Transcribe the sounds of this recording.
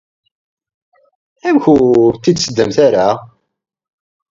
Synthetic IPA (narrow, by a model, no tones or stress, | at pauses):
æmçut̪ːid̪səd̪ːəmθaɾa